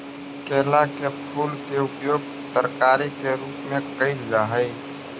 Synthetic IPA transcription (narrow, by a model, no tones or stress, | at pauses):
keːlakepʰuːlkeʊpjoːɡ̚ | t̪əɾkaːɾikeɾuːpmẽkəid͡ʒɡaɦɛi